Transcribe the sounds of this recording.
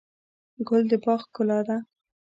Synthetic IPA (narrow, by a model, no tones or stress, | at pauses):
ɡʊld̪əbɑxkʊlɑd̪a